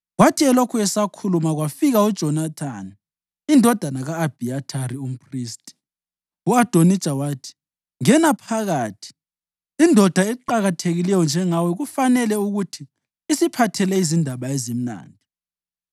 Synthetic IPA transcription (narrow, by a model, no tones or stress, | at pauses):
ɣwatʰiɛlokʰuɛsakʰulumaɣwafiɣaud̥ʒ̥ʱɔnat̪ʰani | indʱɔd̥ʱanaɣaːb̥ʱiatʰaɾium̩pʰriːstʼi | uad̥ʱonit͡ʃʼawaːtʰi̥ | ŋɛnapʰaɣaːtʰi̥ | indʱɔd̥ʱaɛǃaɣatʰeɣilɛjɔnd͡ʒʱɛŋawɛɣufanɛlɛuɣutʰiː | sipʰatʰɛlɛizindʱaɓaɛzim̩na̰ːndʱi